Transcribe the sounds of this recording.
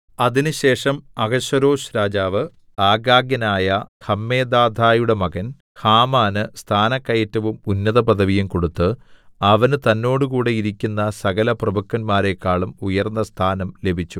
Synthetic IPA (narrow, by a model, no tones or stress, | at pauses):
ɐðinɨɕe̞ːʂɐmɐɡɐɕɐɾo̞ːʂɾaːd͡ʑaːʋɨ | aːɡaːɡjɐnaːjɐhɐmːe̞ːd̪aːd̪ʱaːjuɽe̞mɐɡɐn | haːmaːnɨst̪ʰaːnɐkːɐjɐtːɐʋumunːɐðɐpɐd̪ʱɐʋijumko̞ɽut̪ːɨɐʋɐnt̪ɐnːo̞ːɽɨkuːɽe̞iɾikʲːunːɐsɐɣɐlɐprɐbɐkːɐnmaːɾe̞kːaːɭumujɐrnːɐst̪ʰaːnɐmle̞bʱit͡ɕːu